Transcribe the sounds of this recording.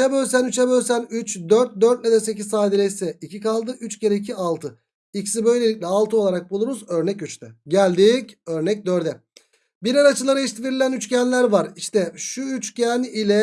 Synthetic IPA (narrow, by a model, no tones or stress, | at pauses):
ɛbø̞lʲsænyt͡ʃʰɛbølʲsænyt͡ʃd̪øɾt̪̚d̪ø̞ɾt̪̚ned̪ɛse̞cissaːd̪iɾesɛicʰikalˠd̪ɯʔyt͡ʃceɾeicʰialˠt̪ʰɯ | icsibø̞jlʲeicʲlʲɛalˠt̪ʰɯo̞lˠaɾak̚bulˠuɾuzø̞ɾnɛcyt͡ʃt̪ʰɛɟælʲd̪icøɾnɛc̚d̪ø̞ɾd̪ɛ | biɾaɾat͡ʃʰɯlˠaɾɯiʃt̪iveɾilʲænyt͡ʃcʰænlʲæɾvaɾiʃt̪ʰɛʃuyt͡ʃcʰænilʲɛ